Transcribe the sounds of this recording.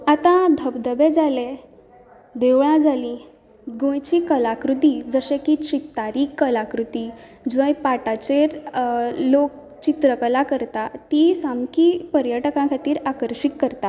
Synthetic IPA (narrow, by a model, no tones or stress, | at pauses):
at̪ãd̪ʱəbd̪əbed͡zale | d̪eʋɭãd͡zʱalĩ | ɡõjt͡ɕikəlakɾut̪id͡zəɕẽkit͡ɕik̚t̪aɾiːkːəlakɾut̪i | d͡zə̃jpaʈat͡ɕeɾ | lok̚ | t͡ɕit̪ɾəkəlakəɾt̪at̪isamkipəɾjəʈəkãkʰat̪iːɾakəɾɕikːəɾt̪a